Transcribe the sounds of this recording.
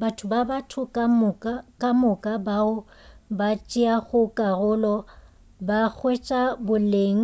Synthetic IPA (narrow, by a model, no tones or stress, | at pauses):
batʰʊbabatʰʊkʼamʊkʼakʼamʊkʼabaʊ | bat͡ʃʼiaɣʊkʼarʊlɔ | bak͡xʰwet͡ʃʼabʊleːŋ̩